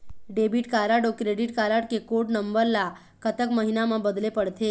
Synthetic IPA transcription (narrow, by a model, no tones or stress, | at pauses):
ɖebiʈkaɾaɽokɾeɽiʈkaɾaɽkekoʈnəmbəɾla | kət̪əkməɦinaməbəd̪lepəɽt̪e